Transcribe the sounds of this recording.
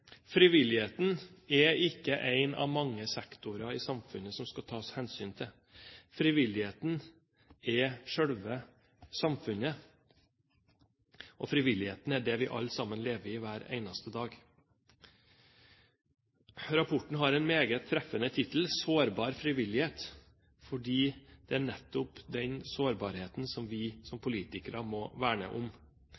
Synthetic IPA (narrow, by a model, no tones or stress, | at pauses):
fɾɪʋɪlɪheːt̪n̩ɛɪkːəʔæɪnɑ̰ʋmɑŋːəsɛkt̪ʊɾɑɪsɑmfʉnəsɔmskɑt̪ʰɑːshɛnsyːnt̪ʰɪl | fɾɪʋɪlɪheːt̪n̩ | ɛʂœɽʋə | sɑmfʉnə | ʔɔfɾɪʋɪlɪheːt̪n̩æɖɛʋɪʔɑ̰lsɑmənleːʋəɾɪʋæːɾæ̰ɪnɑst̪əd̪ɑːɡ | ɾɑpʰʊʈɳ̩ɦɑɾɛɪnmeːɡət̪ʰːɾɛfənət̪ʰɪt̪l̩soːɾbɑːɾfɾɪʋɪlɪheːt̪ | fɔɖiːd̪̥ɛæɳɛt̪ːʊpd̪ɛnsoːɾbɑːɾheːt̪n̩sɔmʋɪsɔmpʰʊliːt̪ɪkəɾɑmɔʋæːɳə̰ʔʊm